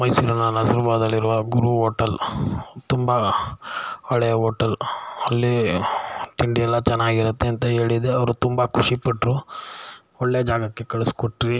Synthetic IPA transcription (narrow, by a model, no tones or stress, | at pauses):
mɐjsuːɾɐnːɐnɐziɾɐbaːd̪ɐlːiɾuʋɐɡuɾuɦoːʈɐlt̪umbɐ | ɐɭɛjɐɦoːʈɐlɐlːi | ʈiɳɖiɛlːɐt͡ʃɛnːaːɡiɾɐt̪ːeɐnt̪ɐɦe̞ːɭid̪eɐʋɐɾut̪umbɐkʰuʂipɐʈːɾu | oɭːed͡ʒaːɡɐkːe̞kɐɭeskoʈːɾi